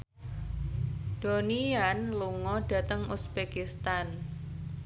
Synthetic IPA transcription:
d̪̥o̤nianluŋɔɖ̥ä̤t̪əŋusb̥ekist̪an

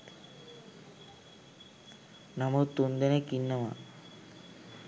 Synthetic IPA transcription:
namut̪und̪enekinːama̰

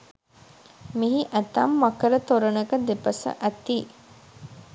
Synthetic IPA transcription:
miɦiʔæt̪ɐmːɐkəɾət̪oɾənəkəd̪epəsə̰ʔæt̪iː

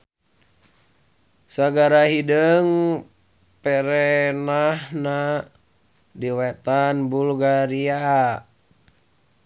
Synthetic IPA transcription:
saɡaɾaɦidəŋ | pɛɾɛnahna | diwɛt̪anbulɡaɾia

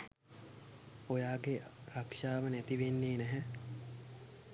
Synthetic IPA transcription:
ojaːɡerakʂaːʋənæt̪iʋenːeːnɛɦɛ

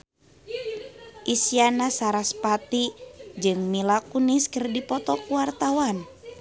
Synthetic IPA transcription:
ʔisianasaɾaspat̪id͡ʒɨŋmilakuniskərdipɔt̪ɔkuwart̪awan

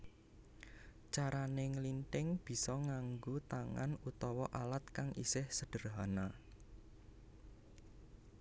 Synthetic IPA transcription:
t͡ʃaɾanɪŋlint̪ɪŋb̥i̤sɔŋaŋɡot̪aŋa̰nut̪ɔwɔʔalat̪̚kaŋʔḭsɪhsəɖ̥ə̤ɾrɦana

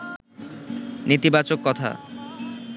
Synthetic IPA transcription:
nit̪ibat͡ɕokːɔt̪ʰa̰

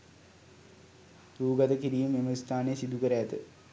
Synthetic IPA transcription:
ɾuːɡɐd̪ɐkiɾijumemɐst̪ʰaːnejsid̪ukɐɾejat̪ə

